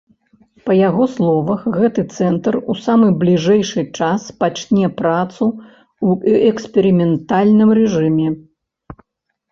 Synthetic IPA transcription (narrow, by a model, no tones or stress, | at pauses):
pɐjaɣɔslˠɔvɐxɣɛt̪ɨt̪sɛnt̪rusamɨblʲiʐɛjʂɨt͡ʂaspat͡ʂnʲɛpɾat̪su | wɛkspʲɛɾimʲɛnt̪alʲnɨmrɛʐɨmʲɛ